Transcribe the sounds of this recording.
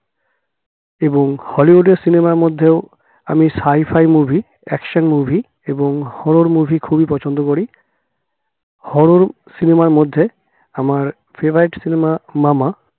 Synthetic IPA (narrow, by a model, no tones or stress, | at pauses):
eboŋhɔliɦuɖeɾsinemaɾmod̪ʱːeo | a̰misajfʰajmubʱi | ɛkʃonmubʱi | eboŋhɔɽoɾmubʱikʰubipɔt͡ɕʰond̪okoɾi | hɔɽoɾ | sinemaɾmod̪ʱːe | amaɾ | fʰebɾaiʈsinemamama